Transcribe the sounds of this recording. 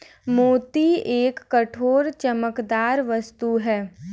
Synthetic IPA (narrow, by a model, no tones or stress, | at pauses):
moːt̪ieːkːɐʈʰoːɾt͡ʃɐməkd̪aːɾʋəst̪uɦɛː